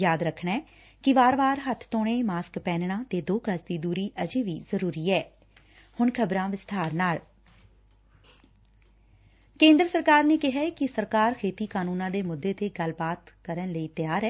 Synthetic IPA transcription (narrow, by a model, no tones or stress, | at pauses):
jaːd̪ɾəkʰɳɛː | kɪʋaːɾʋaːɾɦət̪ʰt̪oːɽ̃eːmaːskpɛːnɳãːt̪eːd̪oːkəsd̪iːd̪uːɾiːʔəd͡ʒeːʋiːzəɾuːɾiːɛː | hʊɳkʰəbɾãːʋɪst̪ʰaːɾnaːɭ | kẽːnd̪ɾəsəɾkaːɾneːkɪɦaːkɪsəɾkaːɾkʰeːt̪iːkaːnuːnãːd̪eːmʊd̪ːeːt̪eːɡəlbaːt̪kəɾənləiːt̪ɪjaːɾɛː